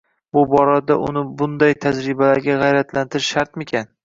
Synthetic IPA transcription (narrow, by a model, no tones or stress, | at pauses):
bʊbɒɾad̪aʔʊ̰nɪbʊnd̪ajt̪ʰad͡ʒɾɪbalaɾɡʲaʁɑjɾat̪ʰlant̪ʰɪɾɪʃʃaɾt̪mekʲʰan